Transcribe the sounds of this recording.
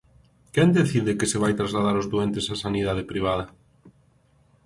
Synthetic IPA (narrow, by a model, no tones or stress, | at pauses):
kɛnd̪eθiðɪkɪseβajt̪ɾazlaðaɾʊzðuent̪esasaniðað̞epɾiβ̞að̞ɐ